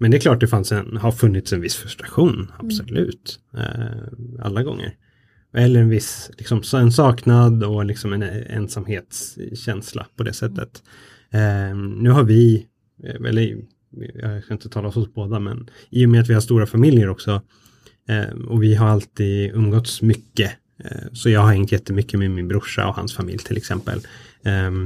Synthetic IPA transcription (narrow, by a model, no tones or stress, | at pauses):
mɛnd̪ɛklɑːʈ̚d̪ɛfansɛnhaɾfɵnːɪt̪sɛnvɪsːfɾɵst̪ɾaɧuːna̰b̥sɔlʉ̟ːt̪ | a̰lːaɡɔ̰ŋːə̰ɾ | ɛlːəɾɛnvɪslɪksɔmsɛnsɑːknad̪ɔlɪksɔmɛnɛ̰nsamheːt̪sɕɛnsla̰pʰɔd̪ɛ̰sɛt̪ːə̰t̪ | nʉ̟ːɦaɾvɪ | ɛ̰lːəɾ | jɑ̰skaɪnt̪ət̪ʰɑːlaɔsɔsboːd̪amɛ̰n | iːjɔmeːat̪vɪhaʂt̪uːɾafamɪljəɾɔksɔ̰ | ɔvɪɦaɾalt̪iːd̪ɵmːɡɔt̪smʏkːə | sɔjɑːɡɦhaɾɛŋt̪jɛt̪ːəmʏkːəmemɪnbɾʊʂa̰ɔha̰nsfamɪ̰ljt̪ʰɪlʔɛksɛmpə̰l